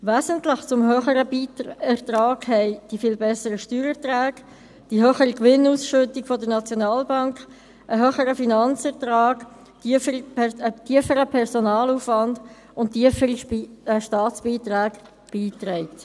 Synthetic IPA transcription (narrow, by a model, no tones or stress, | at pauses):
væːzəntlɪχt͡sʊmɦœχəɾəiɛʁt̪ɾɑːɡhɛɪd̥ifiːlbɛsəɾəʃtyːɾɛʁtɾæːɡ | d̥iɦœːχəɾikʋɪnuːsʃʏtɪkfɔdənɑt͡sjonɑːlbɑŋkχ | ʔəɦœːχəɾəfinɑnt͡sɛʁt̪ɾɑːɡ̥ | ətiəfəɾəpʰɛʁsɔnɑːluːfvɑnd | ʊnt̚iəfiʃtɑːt͡sb̥iːt̪ɾæːɡ | b̥iːt̪ɾɛɪt